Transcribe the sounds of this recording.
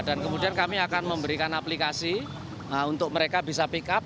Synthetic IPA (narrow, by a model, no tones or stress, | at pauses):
d̥a̤nkəmudiankamiakanməmbəɾikanaplikasi | əunt̪ʊk̚məɾekabisapikap̚